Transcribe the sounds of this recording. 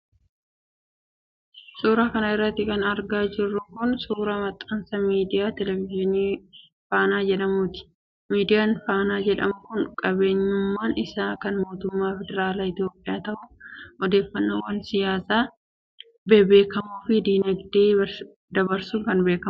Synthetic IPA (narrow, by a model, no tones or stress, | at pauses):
suːɾakɐnɐɪrːɐt̪ːɪkɐnɐɾɡaːd͡ʒɪrːʊkʊnsuːɾɐmɐt̪ʼːɐnsɐmiːd̪ɪjaːt̪ɛlɛvɪʒɪniː | faːnaːd͡ʒɛᶑɐmuːt̪ɪ̥ | miːd̪ɪjaːnfaːnaːd͡ʒɛᶑɐmʊkʊnkʼɐbe̞ːɲːʊmːaːnɪsaːkɐnmo̞ːt̪ʊmːaːfɛd̪ɛɾaːlaɪt̪ɪjo̞ːpʼːɪjaːt̪ɐʔʊɔd̪e̞ːfːɐnːoːwɐnsɪjaːsaː | beːbeːkɐmuːfɪd̪iːnɐɡd̪eː | d̪ɐbɐɾsʊkɐnbeːkɐm